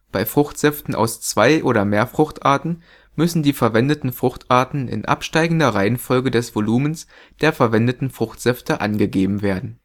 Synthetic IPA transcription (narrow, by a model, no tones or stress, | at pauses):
b̥aɪfʁ̥ʊxtz̥ɛftn̩ʔa̰ʊst͡sv̥aɪʔoːɾɐmeːɐfʁ̥ʊxtʔaɐtn̩ | mʏsn̩diːfɛɐvɛndətn̩fʁ̥ʊxtʰʔaɐtn̩ɪ̰nʔa̰pʃtaɪɡŋ̩dɐʁaɪənfɔlɡədɛsv̥oluːməns | d̥eːɐfɛɐvɛndətn̩fʁ̥ʊxtz̥ɛftəʔa̰nɡəɡeːbm̩veːɐdn̩